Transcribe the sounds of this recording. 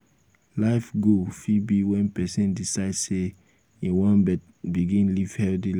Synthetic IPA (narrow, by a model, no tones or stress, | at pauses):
laɪfɡofibiwɛ̃npɛsɛ̃ndisaɪdse | ĩwɔ̃nbɛt̚ | biɡĩnliv̥hɛldil